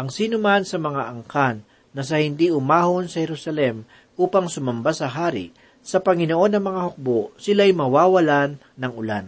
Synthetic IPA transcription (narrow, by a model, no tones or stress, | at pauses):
ʔɐŋsiːnʊmansɐmɐŋaʔɐŋkanː | ɐs̬ɐhɪnd̪iʔʊmaːhonsɐhɛɾusɐlɛm | ʔuːpɐŋsʊmɐmbasɐɦaːɾḭ | sɐpɐŋɪnoʔo̞nːɐŋmɐŋahok̚boʔsɪlajmɐwaːwɐlanːɐŋʔʊla̰n